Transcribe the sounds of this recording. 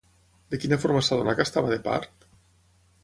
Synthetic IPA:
d̪ekinafoɾmasaðonakast̪aβaðepa̰ɾt̪

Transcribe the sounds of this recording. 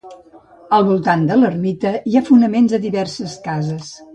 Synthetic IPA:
əlˠβulˠt̪and̪ələrmit̪əiafunəmenzəðiβɛrsəskazəs

